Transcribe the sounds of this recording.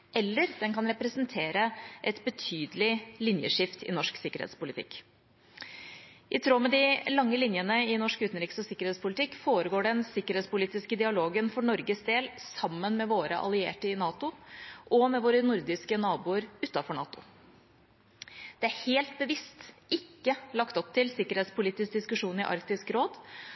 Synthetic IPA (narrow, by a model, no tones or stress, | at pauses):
ʔɛlːəɾd̪ɛnkɑnɾɛpɾəsənt̪ʰeːɾəʔɛt̪bət̪ʰyːd̪əlɪlɪnjə̰ʂɪft̪ɪ̰nɔʂksɪkːəɾḛːt̪spʊlɪt̪ʰɪ̰kː | ʔɪt̪ʰɾoːmɛd̪ɪlɑŋːəlɪnjənəɪnɔʂkʉːt̪n̩ɾiːksɔsɪkːəɾheːt̪spʰʊlɪt̪ʰɪkːfoːɾəɡoːɖɛnsɪkːəɾeːt̪spʊliːt̪ɪskəd̪ɪɑloːɡənfɔɳɔɾɡəsd̪eːlsɑmːənmɛʋoːɾə̰ʔɑ̰lɪḛːʈəɪnɑːt̪ʊʔɔmɛʋoːɾənʊɾd̪ɪskənɑːbuːəɾʉːt̪ːɑfɔɳɑ̰ːt̪ʊ̰ | d̪̥ɛæɾheːlt̪̚bəʋɪst̪ɪkːəlɑkt̪ɔp̚t̪ʰɪlsɪkːəɾheːt̪spʊliːt̪ɪsk̚d̪ɪskʉʂuːnɪ̰ʔɑ̰ɾkt̪ɪskɾoːd̪